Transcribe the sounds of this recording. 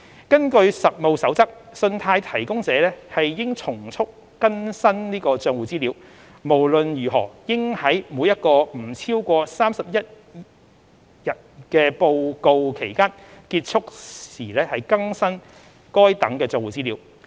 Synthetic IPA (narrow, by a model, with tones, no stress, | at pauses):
kɐ˥nkɵ˧ɥsɐ˨t̚mo˨˧wsɐ˨˥wt͡sɐ˥k̚sɵ˧nt̪ʰaː˧jt̪ʰɐ˨˩jkʊ˥ŋt͡sɛː˨˧lɛː˥hɐ˨jjɪ˥ŋt͡sʰʊ˨˩ŋt͡sʰʊ˥kːɐ˥nsɐ˥nniː˥kɔː˧t͡ʃœː˧ŋwuː˨˩t͡siː˥liː˨˥w | mo˨˩wlɵ˨njyː˨˩ɦɔ̰ː˨˩jɪ˥ŋhɐ˨˥jmuː˨˧˥jɐ˥t̚kɔː˧m̩˨˩t͡sʰiː˥wkʷɔː˧saː˥msɐ˨p̚jɐ˥t̚ | jɐ˨˩t̚kɛː˧po˨˧wko˨wkʰe˨˩jkaː˥n | kiː˧t̚t͡sʰʊ˥k̚siː˨˩lɛː˥hɐ˨jkɐ˥ŋsɐ˥n | kɔː˥jt̪ɐ˨˥ŋkɛː˧t͡sœː˧ŋwuː˨˩t͡siː˥liː˨˥w